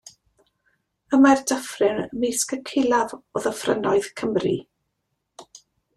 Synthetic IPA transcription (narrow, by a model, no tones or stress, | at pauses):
əmardəfrɪnəmejskəkʰɪlˠavɔðəfrə̰nɔɨðkʰəmrḭ